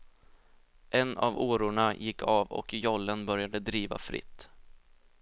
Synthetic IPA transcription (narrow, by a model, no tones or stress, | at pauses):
ʔɛna̰voːɾʊɳajɪkʰːɑːvɔ̰kjɔlːənbœɾjad̪əd̪ɾiːva̰fɾɪ̰t̪ː